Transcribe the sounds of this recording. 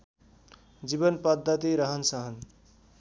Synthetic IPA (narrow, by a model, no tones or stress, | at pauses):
d͡ʒibənpʌd̪ʱːət̪iɾʌɦʌnsʌɦʌn